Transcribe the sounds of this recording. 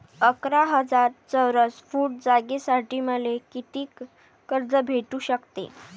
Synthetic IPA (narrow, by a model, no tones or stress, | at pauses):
əkɾaɦəd͡zaɾt͡səwɾəsfuːʈ̚d͡zaɡesaʈiːməlekit̪iːkː | əɾd͡zəbʱeʈuːɕəkt̪ḛ